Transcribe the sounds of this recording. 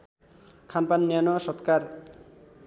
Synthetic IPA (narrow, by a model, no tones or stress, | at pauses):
kʰanpanːijanuaʃɔt̪kaɾ